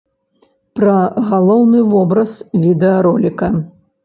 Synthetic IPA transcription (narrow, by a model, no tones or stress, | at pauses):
pɾɐɣalˠɔwnɨvɔbɾɐsvʲid̪ɛɐɾɔlʲikɐ